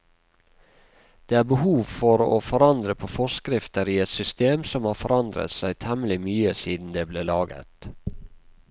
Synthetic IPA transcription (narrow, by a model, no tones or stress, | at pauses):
d̪̥eːæːɾbəhuːʋfɔɾo̰ːfɔɾɑnd̪ɾəpʰoːfɔskɾɪft̪əɾiːɛt̪sʏst̪eːmsɔmhɑːfɔɾɑnd̪ɾə̰t̪sæɪt̪ʰɛməlɪmyːəsiːd̪n̩d̪eːbleːlɑːɡə̰t̪